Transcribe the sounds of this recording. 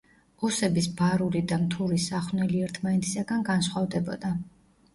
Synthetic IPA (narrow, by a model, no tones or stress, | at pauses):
ɔsɛbisbaɾulid̪amt̪ʰuɾisaχwnɛliɛɾt̪ʰmanɛt̪ʰi̥saɡanɡansχwavd̪ɛbɔ̰d̪a